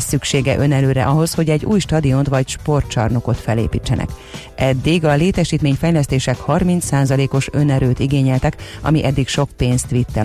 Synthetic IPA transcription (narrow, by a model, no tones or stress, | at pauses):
sykʃeːɡɛʔø̞nɛløːɾɛ̰ʔɒɦo̞sho̞ɟɛɟːṵːjʃt̪ɒd̪iont̪ʋɒcʃpo̞rt̪t͡ʃɒ̰rno̞ko̞t̪fɛlḛːpḭːt͡ʃːɛnʔɛ̰k | ʔɛd̪ːiɡɒleːt̪ɛʃiːt̪meːɲfɛjlɛst̪eːʃɛkhɒrmint̪saːzɒleːko̞ʃø̞nɛɾøːt̪iɡeːɲɛlt̪ɛkɒ̰miʔɛd̪ːikʃo̞k̚peːnst̪ʋit̪ːɛ